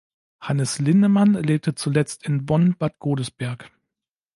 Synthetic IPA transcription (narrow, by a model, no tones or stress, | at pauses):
hanəslɪndəmanleːp̚tət͡sulɛt͡stɪnbɔnb̥atɡ̥oːdəsb̥ɛɐk